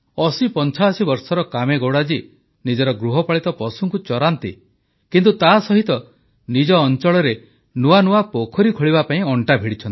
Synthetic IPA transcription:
ɔsipɔnt͡ʃʰasibɔɾsɔɾɔkameɡoɽad͡ʒi | nid͡ʒɔɾɔɡɾuɦɔpaɭit̪ɔpɔsuŋkut͡ʃɔɾant̪ḭ | kint̪ut̪asɔɦit̪ɔ | nid͡ʒɔːnt͡ʃɔɭɔɾe | nuwanuwapokʰɔɾikʰɔɭiβapaĩɔɳʈabʱiɽit͡ʃʰɔnt̪i

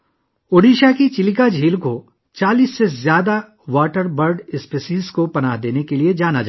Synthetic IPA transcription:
ʊɽiːʃakit͡ʃɪlɪk̬ad͡ʒʱiːlko | t͡ʃaːliːsːezjaːd̪a | ʋaːʈəɾbɐɾɖɪspeːsiːzkopɐnaːɦd̪eːnekelied͡ʒaːnad͡ʒa̰

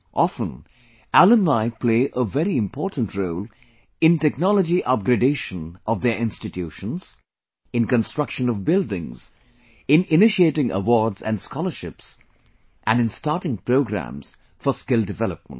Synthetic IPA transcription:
ʔɑfə̃n | ælə̃mlaɪpʰleɪʔəvɛɾiɨ̃mpʰɔːɹtn̩tʰɹoʊlˠ | ɪ̃ntɛknɑləd͡ʒiʔʌp̚ɡɾɨdeɪʃə̃nʔʌvðəʔɪ̃nstɨtʰjuʃə̃nz̥ | ɨ̃nkə̃nstɹ̥ʌkʃə̃nɔvbɪldɪ̃ŋz̥ | ɪ̃nɪnɪʃieɪtɪ̃ŋʔə̰wɔɹdzæ̰̃nskɔlˠəʃɪps | ʔæ̃nɨ̃nstɑɹtɪ̃ŋpɹoʊɡɾæ̰̃mz̥ | fəskɪlˠdɨvɛlˠəp̚mə̰̃nt

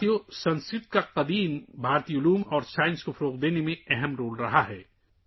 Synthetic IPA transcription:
ijosɐ̃nskɾɪt̪̚kaqɐd̪iːmbʱaːɾt̪ijʊluːmɔːɾsaːɪ̃nskofɐɾoːqd̪eːnemẽɛɦɛmɾoːlɾɐɦaɦɛː

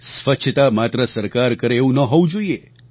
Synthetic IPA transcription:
sʋət͡ʃʰt̪amat̪ɾəsəɾkaɾkəɾeeʋũnəɦoʋũd͡ʒoie

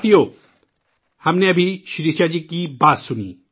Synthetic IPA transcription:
t̪ijo | hamneɐbʱiʃiɾiʃad͡ʑikibat̪ʃunḭ

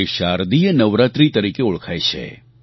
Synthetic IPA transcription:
eʃaɾd̪ijənəʋɾat̪ɾit̪əɾikeʊɭkʰajt͡ʃʰḛ

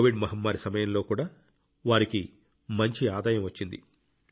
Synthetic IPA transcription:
ʋiɖmɐɦɐmːaːɾisɐmɐjɐmlo̞ːkuːɽaː | ʋaːɾiki | mɐɲt͡ʃiaːd̪aːjɐmʋɐt͡ʃːind̪ḭ

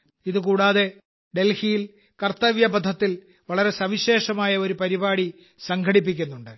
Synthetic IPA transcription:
iðɨkuːɽaːðe̞ | ɖe̞lhijil | kɐrt̪ːɐʋjɐbɐd̪ʱɐt̪ːil | ʋɐɭɐɾe̞sɐʋiɕe̞ːʂɐmaːjɐo̞ɾupɐɾibaːɽi | sɐŋɡʰʱɐɽip̬ːikʲːunːuɳɖɨ

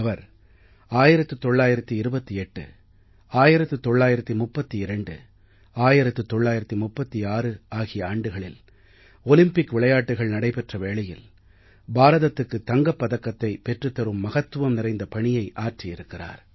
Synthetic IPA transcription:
ɐʋɐɾ | aːjɪɾɐt̪ːɯt̪ɔɭːaːjɪɾɐt̪ːiɪɾɯbɐt̪ːiɛʈːɯ̰ | aːjɪɾɐt̪ːɯt̪ɔɭːaːjɪɾɐt̪ːimʊpːɐt̪ːiɪɾɐɳɖɯ̰ | aːjɪɾɐt̪ːɯt̪ːɔɭːaːjɪɾɐt̪ːimʊpːɐt̪ːiaːrɯaːɣɪjɐaːɳɖɯɣɐɭɪ̰l | ɔlɪmpɪkʋɪɭɐjaːʈːɯɣɐɭnɐɽɐɪpɛʈrɐʋeːɭɐjɪ̰l | baːɾɐðɐt̪ːɯkːɯt̪ːɐŋɡɐpːɐðɐkːɐt̪ːɐɪpɛʈrɯt̪ːɐɾɯmːɐɣɐt̪ːɯʋɐmnɪɾɐɪnd̪ɐpɐɳɪjɐɪʔaːʈrijɪɾɯkːɪra̰ːɾ

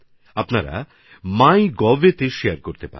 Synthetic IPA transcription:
apnaɾa̰ | majɡɔʋet̪eʃejaɾkoɾt̪epa̰ɾ

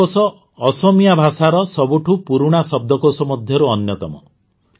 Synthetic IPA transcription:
osɔː | sɔmijabʱasaɾɔsɔbuʈʰupuɾuɽ̃asɔb̚d̪ʱɔkosɔmɔd̪ʱjɔɾuɔnjɔt̪ɔmɔ

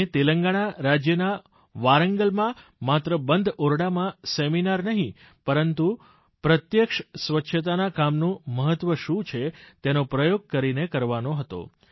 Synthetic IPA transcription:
et̪eləŋɡaɽ̃aɾad͡ʒjəna | ʋaɾəŋɡəlmãmat̪ɾəbənd̪ʱoɾɽamãseminaɾnəɦĩ | pəɾənt̪u | pɾət̪jəkʃsʋətːʃʰət̪̬anakamnũməɦət̪ːʋəʃũt͡ʃʰet̪enopɾəjoɡ̚kəɾinekəɾʋanoɦət̪o̰

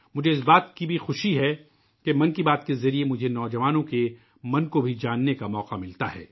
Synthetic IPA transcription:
mʊd͡ʒʱeɪs̬baːt̪̚kibʱixʊʃiɦɛ | kemɐ̃nkibaːt̪kezɐɾiemʊd͡ʒʱenɔːd͡ʒɐʋaːnõke | mɐ̃nkobʱid͡ʒaːnːekamɔːqamɪlt̪aɦɛ̰ː

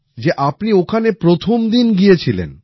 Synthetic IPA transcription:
d͡ʑeʔapniokʰanepɾot̪ʰomd̪inɡijet͡ɕʰilḛn

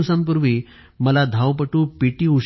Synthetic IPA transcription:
sãmp̬uɾʋiː | məlad̪ʱawpəʈuːpiʈiːuɕ

